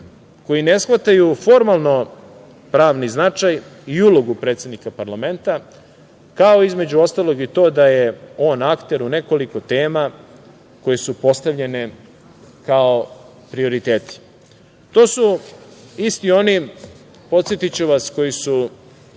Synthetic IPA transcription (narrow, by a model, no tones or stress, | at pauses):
ko̞jine̞sxʋat̪ajufo̞ɾmalˠno̞ | pɾaːʋniznat͡ʂajiulo̞ɡupɾet̪sʲe̞d̪nikapaɾlˠame̞nt̪a | kao̞izme̞d͡ʑuo̞st̪alˠo̞ɡit̪o̞ːd̪ajeo̞ːnakt̪e̞ɾune̞ko̞liko̞t̪e̞ːma | ko̞jesupo̞st̪aʋʎe̞ne | kao | pɾio̞ɾit̪e̞ːt̪i̥ | t̪o̞ːsu | ist̪io̞ni | po̞t̪sjet̪it͡ɕuʋasko̞jisu